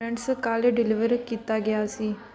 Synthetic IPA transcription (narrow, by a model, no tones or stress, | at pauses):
ə̃ɳʈskaleɖɪliʋəɾkit̪aɡjaəsi